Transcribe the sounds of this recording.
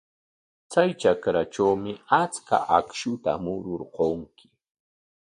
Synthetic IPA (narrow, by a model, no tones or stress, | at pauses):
t͡sajt͡ʃakɾaʈ͡ʂawmɪat͡ska̰ʔakʃʊt̪a̰mʊɾʊɾqoŋkɪ̥